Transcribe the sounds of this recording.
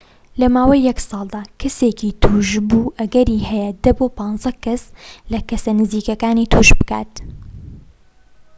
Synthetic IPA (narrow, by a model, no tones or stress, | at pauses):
lɐmaːwɐjːɛksɑːlˠd̪aːkʰɐseːkit̪ʰuːʒbuːʔɐɡɐɾihɛjɛd̪ɐboːpɑːnzɐkɐslɐkɐsɐnɨziːkɐkaːniːt̪ʰuːʒbɨka̰ːt̪